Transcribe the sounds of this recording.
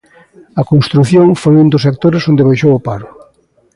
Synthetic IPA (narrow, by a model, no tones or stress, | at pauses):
ɐkonst̪ɾuθjoŋfojund̪ʊsek̚t̪oɾesond̪ɪβ̞ajʃowʊpaɾʊ